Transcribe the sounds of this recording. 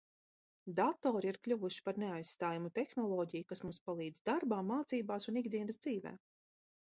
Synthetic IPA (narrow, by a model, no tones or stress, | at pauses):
d̪at̪ɔːɾiiɾklʲuvuʃi̥paɾneajssːt̪aːjumut̪exnɔlˠɔːɟijukasmumspalˠiːd̪zd̪aɾbaːmːaːt̪siːbaːsuniɡd̪iɛnsd̪ziːvɛ̰ː